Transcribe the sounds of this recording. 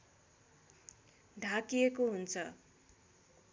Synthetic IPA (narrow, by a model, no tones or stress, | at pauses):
ɖʱãkijekoɦunt͡sʰʌ